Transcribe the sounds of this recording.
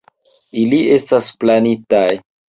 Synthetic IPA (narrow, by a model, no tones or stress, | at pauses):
ilie̞stasplanitaj